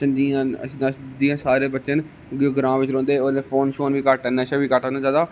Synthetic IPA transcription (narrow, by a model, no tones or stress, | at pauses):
t͡ʃənd͡ʒiːãːə̰səsd͡ʒiːãːsaːɾeːbətːt͡ʃən | ɡɡɾãːʋɪt͡ʃɾõːnd̪eːonẽːpʰoːnʃoːnʋiːkaʈənẽəʃãːʋiːkaʈanãd͡ʒaːd̪aː